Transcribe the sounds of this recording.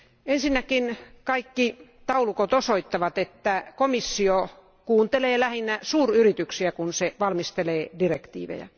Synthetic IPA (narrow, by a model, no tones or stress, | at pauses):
ensinːækinkɑikːit̪ɑulukot̪osoit̪ːɑʋɑt̪et̪ːækomisːio | kuːnt̪eleːlæhinːæsuːryrit̪yksiækunseʋɑlmist̪eleːdirekt̪ḭːʋḛjɑ̰